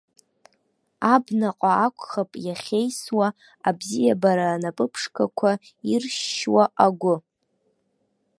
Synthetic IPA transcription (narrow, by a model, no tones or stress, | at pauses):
abnaqʼaakʷʰʼχapʼjaχʲe̞jswa | abzijabaɾaːnapʼɨpʰʂkʰakʷʰa | irʃwaaɡʷʊ